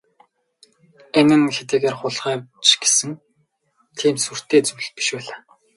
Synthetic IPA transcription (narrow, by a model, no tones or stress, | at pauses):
enɘ̆nxet̪eːɣeːrχʊɮχæːt͡ɕɡe̥sɘ̆ŋ | t̪ʰiːmt̪sur̥t̪eːt͡suwɮ̚pi̥ʃpæːɮaː